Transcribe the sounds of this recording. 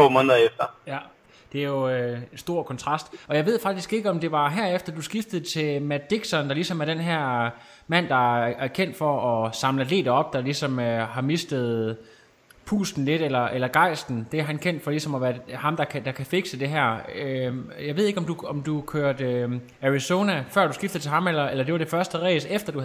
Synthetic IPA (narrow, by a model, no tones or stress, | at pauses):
o̰ːmɔ̽ːnðˠɐefd̥ɐjæ | d̥e̝æɐjo̝esd̥o̝ɐ̰kʰɒ̽nt͡sʰʁɑ̈sd̥ɒ̽jɑɪʋe̝ð̞̰ˠfɑ̈ɡ̥̚d̥isɡ̥e̝ɡ̥əɒ̽md̥e̝ʋɑ̈ɦæɐ̰efd̥ɐd̥usɡ̥ifd̥əð̩ˠt͡sʰe̝lmæd̥iɡ̥sɒnd̥ɑ̈lisɒ̽mæɐɾ̥d̥enɦæɐ̰ | mæn̰d̥ɑ̈æɐkʰen̰d̥fɒʔɒsɑ̈mləle̝̰ːdəɒ̽b̥̚d̥ɑ̈lisɒ̽møɦɑ̈mesd̥ð̞̩ˠ | pʰṵːsn̩le̝ɾ̥elɐʔelɐɡ̥ɑ̈ɪ̰sd̥n̩d̥e̝ɐɦænkʰen̰d̥fɒ̽lisɒ̽mɒʋæɐhɑ̈md̥ɑ̈kʰd̥ɑ̈kʰæfeɡ̥səd̥e̝ɦæɐ̰øjɑ̈ɪe̝ðˠe̝ɡ̥ɒ̽md̥uɒmd̥ukʰøːɐd̥ø | æʁiso̝ːnæfɶɐd̥usɡ̥ifd̥ð̩ˠt͡sʰe̝hɑ̈melɐelɐd̥e̝ʋɑ̈d̥e̝fɶɐsd̥əʁḛːsefd̥ɐd̥u